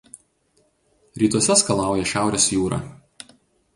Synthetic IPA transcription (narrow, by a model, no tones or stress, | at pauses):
ɾʲiːt̪uɔsʲɛskɐlˠɑˑʊjɛʃʲæˑʊɾʲeːsjuːɾɑ̰ː